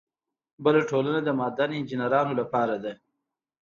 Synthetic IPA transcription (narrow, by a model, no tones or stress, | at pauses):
bəlaʈʰolənad̪əmɑːd̪anɪnd͡ʒinaɾɑːnolapɑːɾad̪a